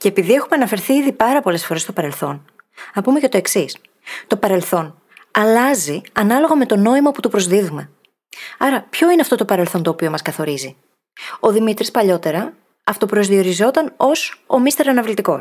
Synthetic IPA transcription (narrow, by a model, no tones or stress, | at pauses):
ce̞epiðie̞xume̞ɐnɐfe̞ɾθiiðipɐɾɐpo̞le̞sfoɾest̪o̞pɐɾe̞lθo̞nɐpume̞ce̞t̪o̞e̞ksis | t̪o̞pɐɾe̞lθo̞n | ɐlɐziɐnɐlo̞ɣɐme̞t̪o̞no̞imɐput̪upɾo̞zðiðume̞ | ɐɾɐpço̞ineɐft̪o̞t̪o̞pɐɾelθo̞nt̪o̞ːpio̞mɐskɐθo̞ɾizi | o̞ðimit̪ɾispɐʎo̞t̪e̞ɾɐ | ɐft̪opɾo̞zðio̞ɾizo̞t̪ɐno̞so̞mist̪e̞ɾɐnɐvlit̪iko̞̰